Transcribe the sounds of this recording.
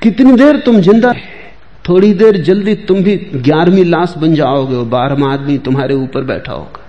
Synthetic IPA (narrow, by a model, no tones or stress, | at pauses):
kɪt̪nid̪eːɾt̪ʊmd͡ʒɪ̃nd̪aɦɛ | t̪ʰoːɽid̪eːɾd͡ʒɐld̪it̪ʊmbʱiɡjaːɾmĩlaːsbɐ̃nd͡ʒaːoːɡeobaːɾmaːd̪mit̪ʊmɦaːɾeuːpəɾbɛ̰ːʈʰa̰ːo̰ːɡaː